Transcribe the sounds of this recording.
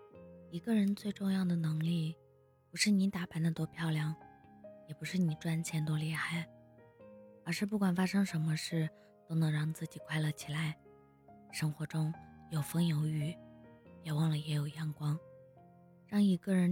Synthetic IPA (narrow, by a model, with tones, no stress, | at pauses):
i˧˥ɡə˧ɻə˧˥nt͡swe˥˧ɪʈ͡ʂʊ˥˧ŋjɑ˥˩ʊd̪ə˩nɤ˧˥ŋli˥˩ | pu˧˥ʂɻ̩˥˩ni˧˥t̪a˨˧˩pa˧˥nd̪ə˧t̪wɔ˥pʰjɑ˥˩ʊljɑ˨˧˥ŋjɛ˨˩pu˧˥ʂɻ̩˥˩ni˨˩ʈ͡ʂwa˥nt͡ɕʰjɛ˧˥nt̪̬wli˥˧xa˥˩ɪ | ə˞˧˥ʂɻ̩˥˧p̬u˥˩kwa˨˩nfa˥ʂɤ˥ŋʂə˧˥nmə˧ʂɻ̩˥˩ | t̪o˥ʊnɤ˧˥ŋɻɑ˥˧ŋt͡sɹ̩˥˩t͡ɕi˨˩kʰwa˥ɪlə˨t͡ɕʰi˨˩la˧˥ɪ | ʂɤ˥ŋxwɔ˧˥ʈ͡ʂʊ˥ŋjo˨˩ʊfɤ˥ŋjo˧˥ʊy˧˩jɛ˨˩wɑ˥˩ŋlə˩jɛ˧˥jo˨˩ʊjɑ˥˩ŋkwɑ˥ŋ | ɻɑ˥˩ŋi˧˥ɡə˥˧ɻə˧˥n